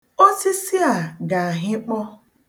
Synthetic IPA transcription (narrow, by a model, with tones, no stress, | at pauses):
o˦si˦si˦a˨ɡa˨a˨ɦɪ˦k͡pɔ˦